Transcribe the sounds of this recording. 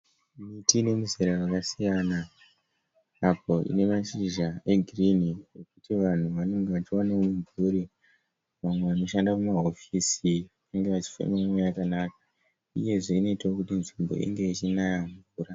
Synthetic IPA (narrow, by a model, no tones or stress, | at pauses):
mitine̞muzeɾarakasijana | apo̞ʔḭne̞maʃiʒae̞ɡʱirinijo̞kutiʋan̤uʋane̞ŋɡe̞ʋat͡ʃiwanewomuɱvʱuːɾi | ʋamwe̞ʋano̞ʃandakumaɦo̞fisi | aŋɡe̞ʋat͡ʃi̥fḛmeamwejakanaːk̚ḁ | uje̞ʐe̞ino̞itwokutinʐimbo̞̰ḭŋɡe̞it͡ʃinajaɱvuːɾa